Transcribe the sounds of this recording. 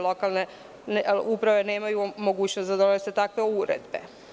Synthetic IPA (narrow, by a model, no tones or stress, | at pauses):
lokalˠne | nupɾaʋe̞ne̞ːmajumo̞ɡuːt͡ɕnost̪ad̪one̞set̪akʋe̞uɾḛd̪bḛ